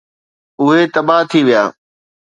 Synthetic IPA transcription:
ʊɦet̪ɐbaɦt̪ʰiʋija̰ː

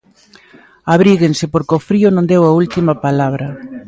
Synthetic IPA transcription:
aβɾiɣensɪpoɾkofɾiʊnõnd̪ewɐult̪imɐpalaβɾɐ

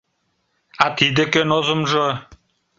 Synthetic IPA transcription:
at̪id̪ɘ̆kønozə̆mʒo

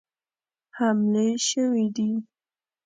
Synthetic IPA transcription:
hamleʃəwid̪i

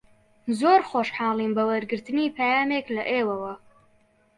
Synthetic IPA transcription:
zoːrχʷɔʂħaːliːmbɐwɐrɡɨrtʰɨniːpʰɐjaːmeːkʰlɐʔeːwɐwɐ

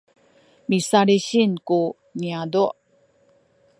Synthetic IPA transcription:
misaɾiɕinku | ɲiaduʔ

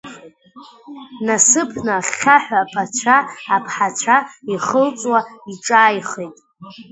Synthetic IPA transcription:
nasɨpʰnaχʲaħʷᶣapʰat͡ɕʷʰaːpʰħat͡ɕʷʰaiχəlt͡sʼwaiʈ͡ʂʼaːjχejtʼ

